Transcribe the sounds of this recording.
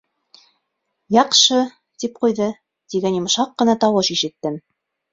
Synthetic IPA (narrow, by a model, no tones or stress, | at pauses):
jɑqʃɤ | t̪ip̚qujðɤ | t̪iɡænjŏmʃɑqːɤ̆nɑt̪ɑwɤʃiʃɘ̆t̪ːɘm